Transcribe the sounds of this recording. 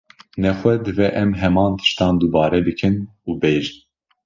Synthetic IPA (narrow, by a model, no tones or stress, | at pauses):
nɛxʷɛd̪ɨvɛʔɛmɦɛmɑːnt̪ʰɨ̥ʃt̪ɑːnd̪ubɑːɾɛbɨkʰɨnuːbeːʒɨn